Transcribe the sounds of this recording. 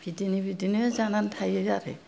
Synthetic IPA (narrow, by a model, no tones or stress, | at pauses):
bʱidinibʱidinizanantʰajejaɾḛ